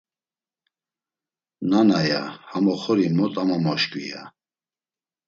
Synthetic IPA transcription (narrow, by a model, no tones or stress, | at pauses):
nanaja̰hamɔχɔɾimɔt̪ʼamamɔʃkʼwḭja̰